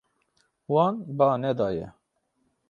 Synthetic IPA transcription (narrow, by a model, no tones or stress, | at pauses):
wɑːnbɑːnɛd̪ɑːjɛ̰